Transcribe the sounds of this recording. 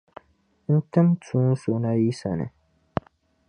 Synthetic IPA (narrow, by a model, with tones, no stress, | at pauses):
n̩˦tɨ˦mtũ˦n˦su˨na˦ji˦sa˨nɨ̰˨